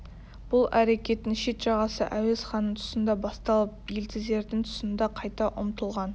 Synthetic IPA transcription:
b̥ʊlˠæɾe̞kʲe̞t̪ːɪŋʃe̞t̪ʒ̥ɑʁɑsə̰ʔæwe̞zχɑnːəɴt̪ʰʊ̥sənd̪ɑbɑst̪ɑlˠəp̚je̞lt̪ʰɪzd̪e̞ɾd̪ɪŋt̪ʰʊ̥sənd̪ɑqʰɑjt̪ɑʔʊmt̪əlˠʁɑn

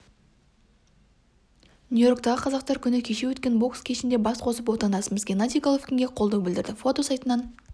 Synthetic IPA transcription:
nʲujo̞ɾk̚t̪ɑʁəqʰɑzɑqt̪ɑɾkʲʰʏnɪkʲʰe̞ʃewɵt̪kʲe̞nbo̞kskʲʰe̞ʃɪnd̪e̞bɑsqʰo̞səp̬wo̞t̪ɑnd̪ɑsəməzɡʲenɑt̪ʲijɡalˠofkʲɪŋɡʲe̞qʰolˠd̪ɑwbɪld̪ɪɾd̪ɪfo̞t̪o̞sɑjt̪ənɑn

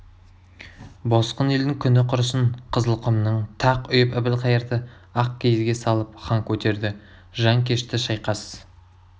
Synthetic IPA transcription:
bo̞sqəneld̪ɪŋkʲʰʏnɪqʰʊɾəsənqʰəzəlˠqʰʊmnəɴt̪ʰɑqʏjɪpɪbɪlqʰɑjəɾd̪ə | ɑq̚kʲʰejzɡʲe̞sɑlˠəp̚χɑŋkʲʰɵt̪e̞ɾd̪ɪ | ʒɑŋkʲʰe̞ʃt̪ɪʃɑjqɑsəz̥

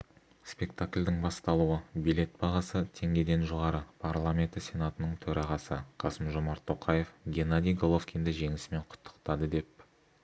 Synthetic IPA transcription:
spʲe̞kt̪aklʲd̪ɪŋbɑst̪ɑlˠuəbijlʲe̞t̪̚bɑʁɑsət̪ʰe̞ŋɡʲe̞d̪e̞nʒoʁɑɾəpʰarlˠamʲe̞nt̪əsʲe̞nat̪ənəɴt̪ʰɵɾɑʁɑsəqʰɑsəmʒo̞mɑɾt̪ʰːo̞qʰɑje̞fɡʲe̞nad̪ijɡolˠofkʲind̪ɪʒe̞ŋɪsɪme̞ɴqʰʊ̥t̪ʰːə̥qt̪ɑd̪əd̪e̞p̚

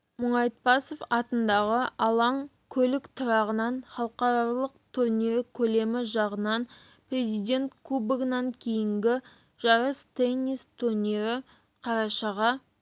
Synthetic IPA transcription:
mʊɴɑjt̪̚pɑsofɑt̪ənd̪ɑʁəɑlˠɑŋ | kʲʰɵlɪkt̪ʰʊɾɑʁənɑnχɑlˠəqɑɾɑlˠəqt̪ʰuɾnʲiɾɪkʲʰɵle̞mɪʒɑʁənɑn | pre̞zijd̪e̞nt̪kʰubɪɡnɑŋkʲʰe̞jɪŋɡʲɪ | ʒ̥ɑɾəst̪enʲːist̪ʰurnʲiɾɪ | qʰɑɾɑʃɑʁɑ

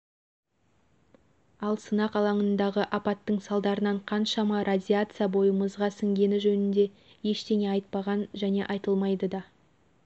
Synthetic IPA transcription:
ɑlˠsənɑqɑlˠɑɴənd̪ɑʁəʔɑpɑt̪ːəɴsɑlˠd̪ɑɾənɑɴqʰɑnʃɑmɑɾʔadʲiat̪sɨjabo̞jəməzʁɑsɪŋɡʲe̞nɪʒɵnɪnd̪e̞ | je̞ʃt̪e̞ne̞ɑjt̪̚pɑʁɑnʒæne̞ʔɑjt̪əlˠmɑjd̪əd̪ɑ

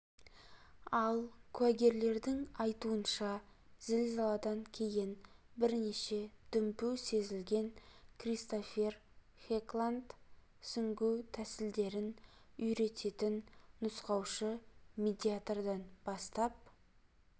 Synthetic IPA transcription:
ɑlˠkʰʉæɡʲe̞ɾle̞ɾd̪ɪŋɑjt̪uənʃɑzɪlzɑlˠɑd̪ɑŋkʲʰe̞jɪnbɪɾne̞ʃe̞d̪̥ʏmpuse̞zɪlɡʲe̞ŋkʰrijst̪ofe̞r | χeklˠant̪ | sʏŋɡʲuwt̪ʰæsɪld̪e̞ɾɪnʏjɾe̞t̪e̞t̪ɪnːʊsqɑwʃəmʲed̪ʲiat̪rd̪ɑnbɑst̪ɑp̚

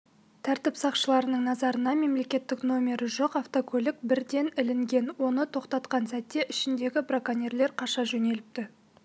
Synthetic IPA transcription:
t̪ʰæɾt̪ɪpsɑqʃəlˠɑɾənəɴnɑzɑɾənɑme̞mle̞kʲe̞t̪ːɪkno̞mʲe̞ɾɪʒo̞qɑft̪o̞kʰɵlɪk̚bɪɾd̪e̞nɪlɪŋɡʲe̞nwo̞nət̪ʰo̞qt̪ɑt̪qɑnsæt̪ːe̞ʔɪʃɪnd̪e̞ɡʲɪbrakanʲerle̞ɾqʰɑʃɑʒɵne̞lɪp̚t̪ɪ

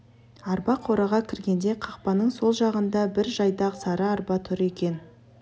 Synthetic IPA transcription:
ɑɾpɑqʰo̞ɾɑʁɑkʲʰɪɾɡʲe̞nd̪e̞qʰɑqpɑnəɴso̞lˠʒɑʁənd̪ɑbɪɾʒɑjd̪ɑʁsɑɾəɑɾbɑt̪ʰʏɾe̞kʲe̞n

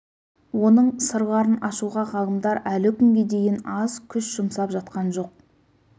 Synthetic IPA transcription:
wo̞nəɴsəɾʁɑɾənɑʃuʁɑqʰɑlˠəmd̪ɑɾælɪkʲʰʏŋɡʲe̞d̪e̞jɪnɑzkʲʰʏʃʒ̥ʊmsɑpʒɑt̪qɑnʒo̞q̚

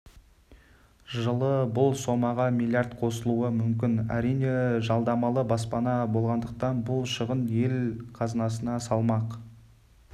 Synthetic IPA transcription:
ʒəlˠəbʊlˠso̞mɑʁɑmilʲˠjart̪qʰo̞səlˠuəmʏmkʲɪnæ̰ɾijne̞ʒɑlˠd̪ɑmɑlˠəbɑs̬pɑnɑbo̞lˠʁɑnd̪əq̚t̪ɑnbʊlˠʃəʁənje̞lqʰɑzənɑsənɑsɑlˠmɑq

